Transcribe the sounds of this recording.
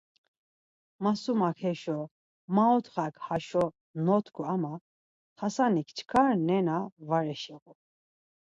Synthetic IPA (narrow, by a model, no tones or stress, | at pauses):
masumakʰɛʃɔ | maɔt̪ʰχakhaʃɔ | nɔt̪ʰkʰuama | tʰasanikʰt͡ʃʰkʰaɾnɛnavaɾɛʃɛɣu